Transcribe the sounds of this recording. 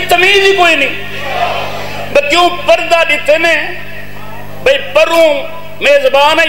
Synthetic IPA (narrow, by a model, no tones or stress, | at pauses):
t̪əmiːziːkoːiːnəĩː | bəlkeũːpəɾd̪aːɗɪt̪eːnẽː | bʱəiːpəɾũː | meːzbaːnaː